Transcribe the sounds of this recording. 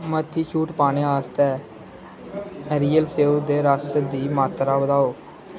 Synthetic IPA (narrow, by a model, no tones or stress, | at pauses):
mət̪ʰːiːt͡ʃʰuːʈpaːneːaːst̪ɛː | ɾiːəlseːuːd̪eːɾaːsd̪iːmaːt̪ɾaːbəd̪aːoː